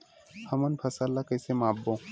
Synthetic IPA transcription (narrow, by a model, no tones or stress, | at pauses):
hɐmənpʰɐsalːakɐːsemaːbːõː